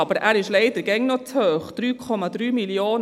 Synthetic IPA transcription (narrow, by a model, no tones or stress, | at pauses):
ɑb̥əɾæːɾɪʃlɛɪd̥̪əɡɛŋnɔt͡shøːχd̥ɾyːkʰɔmɑd̪ɾyːmiljoːn